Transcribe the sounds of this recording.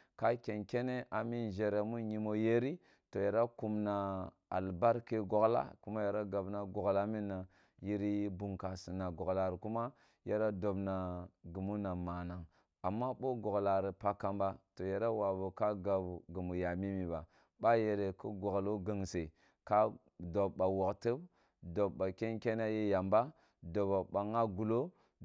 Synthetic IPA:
ka˦kʲe˨nkʲe˦ne˦ʔa˨mi˦n˨ʒe˨ɾe˨mu˦ɲi˨mo˦je˦ɾi˦ | to˨ja˨ɾa˦ku˨mna˨ | a̰˨lba˦ɾke˦ɡo˨ɡla̰˦ku˦ma˦ja˨ɾa˦ɡa˨bna˦ɡo˨ɡla˦mi˦nːa˨ | ji˦ɾi˦bu˨ŋka˨si˨na˨ɡo˨ɡla˨ɾku˦ma˦ | je˦ɾa˦do˨bna˨ɡu˨mu˦na˨ma˨na˨ŋ | a˨mːa˦ɓo˦ɡo˨ɡla˨ɾi˨pa˦ka˦mba˦to˨ja˨ɾa˦wa˨bu˨ka˦ɡa˨bɡu˨mu˨ja˨mi˦mi˨ba˨ | ɓa˦je˨ɾe˨ku˦ɡo˨ɡlo˦ɡə˨ŋse˨ | ka˦ | do˨bɓa˨wo˨ktə˦b | do˨bba˨kʲe˦nkʲe˦na˦je˦ja˨mba˦ | do˨ba˨ba˨ŋa˦ɡu˨lo˦

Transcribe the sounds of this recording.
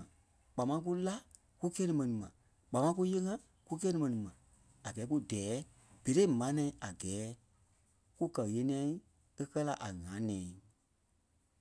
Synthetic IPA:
k͡pa˨mã˧˦˧k̬u˦la˦ | ku˦kɛː˦nɨ̃˧˨mɛ̃˨nĩ˨mã˨ | k͡pa˨mã˧˦k̬u˦je˦ŋã˦ | ku˦k̬ɛː˦nĩ˧mɛ̃˨nĩ˨mã˨ | a˨ɡɛ˨˦ku˦dɛː˨˦ | b̥e˨ɾe˦˨mã˨˦nɛ̃˧˨˦ʔa˨ɡɛː˨˦ | ku˦kɜ˨je˧˦nĩ˧˦ã˧˦ | e˦kɜ˦la˦ʔa˨ŋãː˨˦nɛ̃ː˨˦

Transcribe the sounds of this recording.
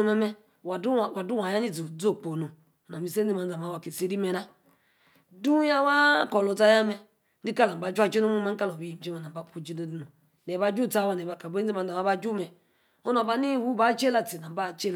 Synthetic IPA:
mɛ˦mɛ˦˨˦ | wa˨du˦a˨ja˦ni˦˨d͡zu˨d͡zo˦˨k͡po˨no˨ | na˨mi˨se˦d͡zi˦ma˨n˦d͡za˨ma˨wa˨ki˨se˦ɾi˦me˨na˦ | du˦ja˦wa˦ko˨lo˨ta˦ja˦mɛ˦ | di˦ka˦la˨m˨ba˨˦d͡ʒa˦d͡ʒi˦no˦mu˦me˨˦ŋ̩˦ka˦lo˨bi˦ji˨m˨˦d͡ʒe˦ma˨na˨m˨ba˨˦pu˨˦˨d͡ʒi˦no˦di˦no˨ | ne˨ba˦d͡ʒu˦˨ta˦˨wa˨ne˨ba˨ka˨be˦i˦ma˨n˦da˨ma˦ba˦d͡ʒu˦mɛ˨ | o˦no˨ba˦ni˦˨wu˦ba˦t͡ʃe˦la˨ti˨na˨m˦ba˦˨t͡ʃe˦l

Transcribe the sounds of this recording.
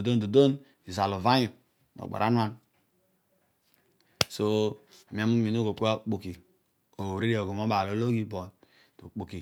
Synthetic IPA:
o˨do˦ndo˨do˦n | i˨za˨lo˨va˦ju˨ | no̰˨ɡ͡ba̰˨ɾʔa̰˦n˦a˦n | so˦˨ | mi˨a˨mu˦mi˨n˦o˦ɡo˨k͡po˦a˦k͡pu˨ki˨ | o˨ɾi˦ɾe˨o˨ɡo˨mo˦a˨lo˨˦lo˦ɡi˦bo˨n | to̰˨k͡pu˨ki˨

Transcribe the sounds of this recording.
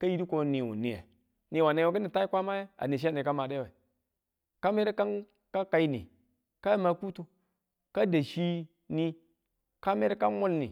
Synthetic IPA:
ka˦ji˦ɾi˦ko˨ni˨wo̰˨ni˨jḛ˨ | ni˨wa˨ne˨˦˨wa˨k̬i˦ni˨ta˦i˦kʷa˦ma˦je˦a̰˨ni˨ʃ̬e˦ni˨ka˦ma˨de˦we˨ | ka˦me˦ɾe˦ka˦n | ka˦ka˨i˦nḭ˨ | ka˦jma˨ku˦tu˦ | ka˦da˨ʃi˦ | ni˦ | ka˦me˦ɾe˦ka˦mo˦lnḭ˨

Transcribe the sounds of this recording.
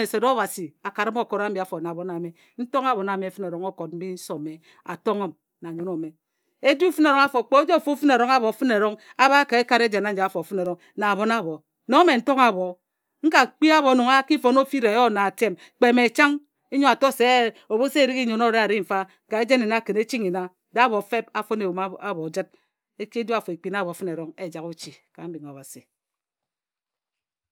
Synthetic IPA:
e˨se˨do˦βa˨si˨a˨ka˨ɾi˦mo˦˨ko˨ɾa˦m̩˦bi˨a˨fo˨na˨βo˨na˨me˨ | n̩˦to˦ŋa˨bo˨na˨me˨˦fɨ˦ne˨ɾo˨ŋo˦ko˨t̚m̩˦bi˦n̩˦so˨me˨ | a̰˨to˦ŋo˦m | na˨ɲo˨no˨me˨ | e˦d͡ʒu˦fɨ˦ne˨ɾo˨˦ŋa˦fo˨k͡po˦d͡ʒo˦˨fu˦fɨ˦ne˨ɾo˦ŋa˦βo˨˦fɨ˦ne˨ɾo˦ŋa˦βa˦ka˨e˦ka˨ɾe˦d͡ʒe˨na˦d͡ʒa˨fo˨fɨ˦ne˨ɾo˦ŋ | na˨βo˨na˦˨βo˨ | no˨˦me˨n̩˦to˦ŋa˨βo˨ | ŋ̩˦ka˨k͡pi˦a˦βo˨no˨ŋa˦ki˦fo˨no˦fi˦ɾe˨jo˦˨na˨a˨te˦m | k͡pe˨me˨t͡ʃa˦ŋ | e˦ɲo˦a˨to˦se˨o˨βo˦se˦˨ɾi˦ki˦ɲo˨no˦˨ɾe˦a˨ɾi˦m̩˨fa˦˨ka˨e˦d͡ʒe˦ne˨na˦kɨ˨ne˦t͡ʃi˦ŋi˨na˦da˨a˦βo˨fe˦p̚a˨fo˦ne˨u˨m˦a˦βɔ˨d͡ʒɨ˦t̚ | e˦ki˦djo˦a˨fo˨e˨k͡pi˨na˦˨βo˨fɨ˦ne˨ɾɔ˦ŋe˦˨d͡ʒa˨ku˦t͡ʃi˨ka̰˨m̩˦bi˨ŋ˨a˨βa˨si˨

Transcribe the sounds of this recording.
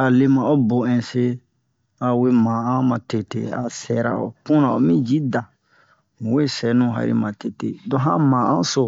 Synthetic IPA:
a˨le˦mã˨o˦bo˨ɛ̃˨se˦ | a˨we˦mã˨ã˦mã˨te˨tḛ˦a̰˨sɛ˨ɾa̰˨o̰˨kũ˦nã˨o˨mĩ˦d͡ʒi˦da˨ | mũ˨we˦sɛ˨nũ˦˨ɦa̰˨ɾḭ˦mã˨te˨tḛ˨dɔ̃˦ɦã˦mã˨ã˦so˦

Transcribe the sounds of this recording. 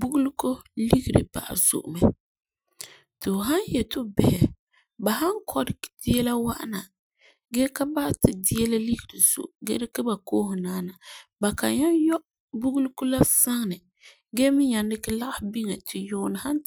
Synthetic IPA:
bu˦ɡu˦lu˦ko˦li˦ɡi˨ɾɨ̰˨ba̰˨ʔa̰˨z̥ʊ̰˨ʔʊ̰˨mɛ˨ | tɪ˨ɦa˦njɛ˨tʊ˦bɛ˨hɛ˨ | ba˨ha˦ŋkʰɔ˦ɾɪ˨dɪ˦ɛ˦la˦wa˦ʔna˨ | ɡɛ˦ka˦ba˦ʔtɪ˨dɪ˦ɛ˦la˦li˦ɡi˨ɾi˨z̥ʊ̰˨ʔɡɛ̰˦dɪ˦kɪ˦ba˨koː˦ɦʊ˨naː˦na˨ba˨ka̰˨ɲa˦njɔ˦ʔ | bu˦ɡu˦lu˦ko˦la˦sa˦ŋ˨nɨ˨ | ɡɛ˦mɪ˦ɲa˨ndɪ˦kɪ˦la˦ʔa˦hɪ˨bi˦ŋɛ˨tʰɪ˨jʊ˦˨n˨ha˦n

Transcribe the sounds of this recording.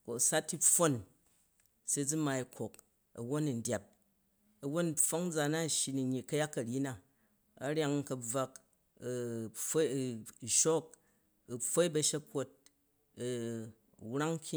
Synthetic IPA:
ko˨sa˦tːi˦fo˦n | se˦d͡zu˦ma˧i˨kʰo˨k | ɐ̰˨wo˦ni˨n̩˨dʲja˨p̚ | ɐ˨wo˦nfo˦ŋ˦d͡za˨na˦˨ʃji˨ni˨ɲi˨kɐ˦ja˦kːɐ˨ɾʲi˦na˨ | ɐ˨ɾʲja˦ŋ˦kɐ˧b͡va˧k | ɸo˦˨ʃo˦k̚ | u˨ɸo˦i˦bɐ˧ʃe˦ko˦t̚ | wɾa˦ŋ˦kʲi˦

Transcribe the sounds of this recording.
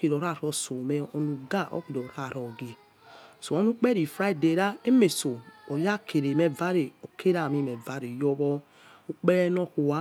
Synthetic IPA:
ki˨ɾɔ˨ɾa˦˨ɾɔ˧˨so˨mɛ˨ɔ˧nu˨ɡa˦˨ʔɔ̰˦ki˨ɾɔ˨ɾa˦˨ɾɔ˨ɡe˨ | so˨o˨˦nu˦k͡pɛ˦ɾi˨fɾa˦i˦˨de˨ɾa˦e˦me˨so˨o˨ja˦kʰe˨ɾe˨me˨va˦ɾe˨o˨kʰe˦ɾa˨mi˧˨mɛ˨va˨˦ɾe˨jɔ˦bɔ˧ | u˦k͡pɛ˦ɾɛ˦nɔ˦ku˨wa˦

